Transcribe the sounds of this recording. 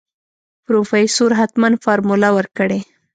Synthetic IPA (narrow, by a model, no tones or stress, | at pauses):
pɾofeisoɾɦat̪manfɑɾmulawəɾkəɽe